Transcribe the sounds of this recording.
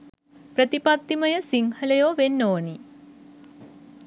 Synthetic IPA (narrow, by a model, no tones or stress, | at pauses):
pɾət̪ipat̪ːiməjəsiŋhələjoːʋenːoːni